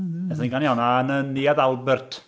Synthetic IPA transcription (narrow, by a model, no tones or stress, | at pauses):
ɛθaĩŋɡanjananənːiaðalˠbɛrtʰ